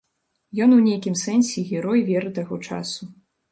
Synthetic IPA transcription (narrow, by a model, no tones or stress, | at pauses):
jɔnwnʲejkʲimsɛnsʲɛɣʲɛɾɔjvʲɛɾɨt̪aɣɔt͡ʂa̰su